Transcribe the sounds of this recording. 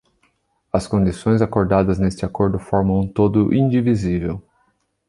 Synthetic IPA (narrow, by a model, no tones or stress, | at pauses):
ɐskõd͡ʒisõj̃zakoɾd̪ad̪ɐznest͡ʃɪakoɾd̪ʊfɔɾmɐ̃w̃ũt̪od̪ʊʔĩnd͡ʒivizivew